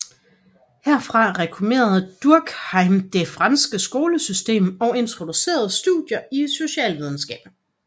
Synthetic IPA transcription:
heɐ̰fʁɑ̈ʁɛkʰume̝̰ːɐð̞̩ˠd̥uɐɡ̥hɑɪmd̥e̝fʁɑ̈nsɡ̥əsɡ̥o̝ːləsysd̥e̝̰ːmɒ̽e̝nt͡sʰʁo̝d̥use̝̰ːɐð̞̩ˠsd̥ṵðˠjɐiso̝ɕɛ̰ːlʋið̞ˠn̩sɡ̥ɛ̰ːb̥

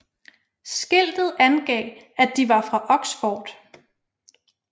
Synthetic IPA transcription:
sɡ̥el̰d̥ð̞̩ˠænɡ̥ɛ̰ː | æd̥iʋɑ̈fʁɑ̈ʔɒ̽ɡ̥sfɒːd̥

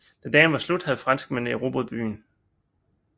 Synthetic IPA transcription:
d̥end̥ɛ̰ːnʋɑslud̥hæð̩ˠfʁɑ̈n̰sɡ̥menəiʁo̝b̥ɔðˠb̥y̰ːn

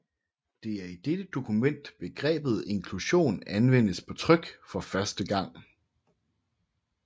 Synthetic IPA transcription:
d̥e̝æɐid̥ed̥əd̥o̝kʰumen̰d̥b̥e̝ɡ̥ʁɛ̰ːb̥ð̞̩ˠe̝nkʰluɕo̝̰ːnænʋen̰əspʰɒ̽t͡sʰʁœɡ̥fɒ̽fɶɐsd̥əɡ̥ɑ̈ŋ̰

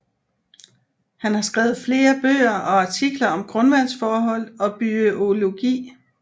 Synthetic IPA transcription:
hænhɑ̈sɡ̥ʁɛːʊð̩ˠfle̝ːɐb̥ø̰ːɐʔɒ̽ɑ̈t͡sʰiɡ̥lɐɒ̽mɡ̥ʁɔ̽nʋænsfɒːɦɒ̽l̰ɒ̽b̥yo̝lo̝ɡ̥ḭː

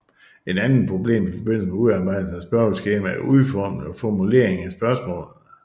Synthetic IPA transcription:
e̝d̥ænn̩ˠpʰʁo̝b̥le̝̰ːmifɒ̽b̥e̝n̰l̩səmeuðˠɑ̈ːb̥ɑ̈ɪ̰d̥l̩sn̩æsb̥ɶɐlsɡ̥eːm̥æɐʔuðˠfɒːmn̩ɒfɒmule̝ɐeŋæsb̥ɶɐsmɔ̰̽ːlð̩ˠ

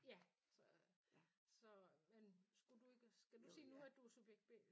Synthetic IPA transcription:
jæ | sɒ | sɒ̽mensɡ̥ud̥ue̝ɡ̥əsɡ̥æd̥usiːnuæd̥usub̥eɡ̥̚b̥ḛ

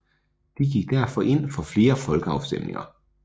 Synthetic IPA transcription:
d̥iɡ̥iɡ̥̚d̥æɐ̰fɒ̽ʔe̝n̰fɒ̽fle̝ːɐfɒ̽lɡ̥əɑ̈ʊsd̥emne̝ŋɐ

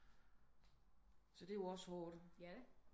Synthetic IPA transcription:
sɒ̽d̥e̝joɒ̽shɔːd̥

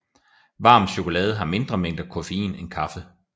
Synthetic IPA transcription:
ʋɑ̈ːm̥ɕo̝kʰo̝lɛ̰ːð̞̩ˠɦɑ̈me̝nd̥ʁɐmeŋ̰d̥ɐkʰo̝feḭːnenkʰɑ̈fə

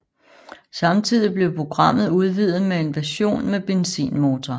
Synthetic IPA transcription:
sɑ̈mt͡sʰið̞̰ˠib̥le̝ʊpʰʁo̝ɡ̥ʁɑ̈m̰ð̩ˠuð̞ˠʋið̰ˠð̩ˠmee̝nʋæɐɕo̝̰ːnmeb̥e̝nsḭːnmo̝ːt͡sʰɒ

